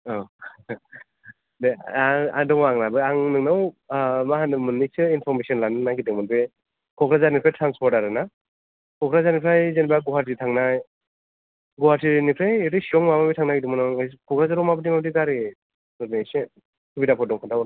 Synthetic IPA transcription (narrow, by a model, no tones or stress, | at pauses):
ɔ | deaa̰dɔŋmaŋnabɯaŋnɯŋnawmaɦanɯmɯnːisɯinpʰɔɾmesɔnlanɯnaɡidɯŋmɔnbɯ | kʰɔkɾazanipʰɾajtʰɾanspʰɔɾtaɾɯna | kʰɔkɾazanipʰɾajzenbaɡɔwaɾitʰaŋnaj | ɡɔhaɾtinipʰɾajeɾɯsiɔŋmababitʰaŋnaɡidɯŋmɔnɔŋkʰɔkɾazaɾɔwmabɯdimabdiɡaɾe | ɡɯɾnise | kʰɯbidapʰɔdɔŋkʰandaw